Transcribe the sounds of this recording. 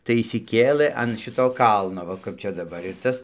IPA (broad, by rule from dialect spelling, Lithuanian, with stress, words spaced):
tɐɪ ɪʃʲsʲɪˈkʲeːlʲeː ɐn ˈʃʲɪtoː ˈkɐlˠnoː ˈʋɐ kɐp ˈt͡ʃʲɛ dɐˈbɐr ɪr ˈtɐs